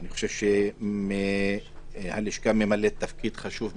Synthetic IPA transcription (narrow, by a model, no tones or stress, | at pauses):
aniχo̥ʃevʃeme | haliʃkamemalet̪ːafkid̪χaʃuv